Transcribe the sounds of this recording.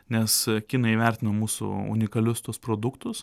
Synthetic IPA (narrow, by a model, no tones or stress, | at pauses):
nʲɛskʲiːnɐɪiʋʲɛɾʲt̪ʲɪnɐmuːsʊ̰ʊ̰nʲɪkɐlʲʊst̪uɔspɾoːd̪ʊkt̪ʊs